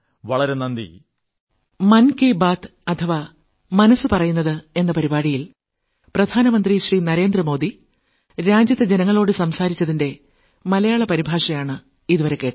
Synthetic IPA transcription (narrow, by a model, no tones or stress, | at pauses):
ʋɐɭɐɾenɐnd̪ḭ | mɐnkebaːt̪ɐt̪ʰɐʋa | mɐnɐsːɨpɐrɐjunːɐðɨe̞nːɐpɐɾibaːɽijil | prɐd̪ʱaːnɐmɐnd̪riɕriːnɐɾe̞ːnd̪rɐmo̞ːd̪i | ɾaːd͡ʑjɐt̪ːed͡ʑe̞nɐŋːɐɭo̞ːɽɨsɐmsaːɾit͡ɕːɐðinde̞ | mɐlɐjaːɭɐpɐɾibʱaːʂɐjaːɳɨ | iðuʋɐɾe̞kːeːʈː